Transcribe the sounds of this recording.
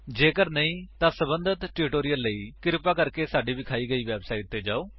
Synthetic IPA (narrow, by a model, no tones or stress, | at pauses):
d͡ʒeːkəɾnəĩːt̪ãːsəbənd̪ʱət̪ʈɪːʈoːɾijəlːəiːkɪɾpaːkəɾkeːsaːɖiːʋiːkʰaːiːɡəiːʋɛːbsaːiʈ̚t̪eːd͡ʒaːoː